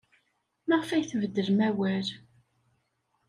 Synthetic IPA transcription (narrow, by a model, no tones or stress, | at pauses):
məʁfæjθvəd̪ːəɾmæwæɾ